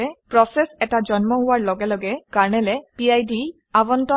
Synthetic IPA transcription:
ɛpɹɔsɛsɛtad͡ʒɔnmɔɦʊwaɹlɔɡɛlɔɡɛkaɹnɛlɛpiajdi | abɔntɔ

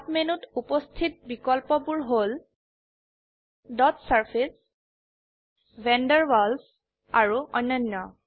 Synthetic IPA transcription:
apmenutupɔstʰit̚bikɔlpɔbuɹɦol | dɔtsaɹpʰis | vɛndɛɹbɔls | aɹuʔɔjnːɔnːɔ

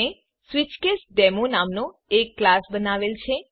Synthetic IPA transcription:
e | sʋɪt͡ʃkesɖɛmonamno | ekːlasbənaʋelt͡ʃʰe

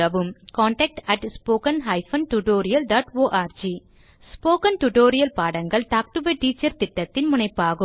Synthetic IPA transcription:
ɐʋɯmkaːɳʈɛk̚ʈɐʈspoːkɐnɦɐɪfɐnʈuʈoːɾɪjɐlɖaːʈoːʔaːɾd͡ʒi | spoːkɐnʈuʈoːɾɪjɐlpaːɽɐŋɡɐɭt̪aːk̚ʈubeʈːiːt͡ʃːɐɾt̪ɪʈːɐt̪ːɪnmʊɳɐɪpːaːɣɯ

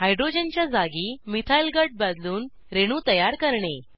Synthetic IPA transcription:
ɦajɖɾod͡ʑənt͡ɕjad͡zaɡiːmit̪ʰailɡəɖ̚bad̪luːn | ɾeɽ̃uːt̪əjaɾkəɾɳe

